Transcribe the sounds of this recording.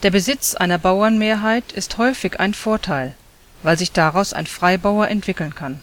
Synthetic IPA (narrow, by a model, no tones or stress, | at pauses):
d̥eːɐbəzɪt͡sʔa̰ɪnɐbaʊɐnmeːɐɦaɪtʰɪsthɔʏfɪçʔa̰ɪnfoːɐtʰaɪl | vaɪlzɪçd̥aʁaʊsa̰ɪnfʁ̥aɪbaʊɐʔɛntv̥ɪkl̩nkʰan